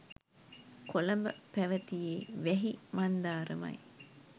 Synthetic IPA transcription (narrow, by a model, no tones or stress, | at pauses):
kʰolɐmbɐ̰pæʋɐt̪ijeːʋɛɦimɐnd̪aːɾɐ̰mɐ̰j